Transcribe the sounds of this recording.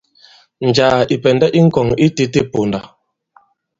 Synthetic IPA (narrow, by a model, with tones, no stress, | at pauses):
n̩˨d͡ʒaː˨i˨pɛ˨ndɛ˦ʔi˦ŋ̩˦kɔ˨ŋi˦te˦te˦po˨nda˨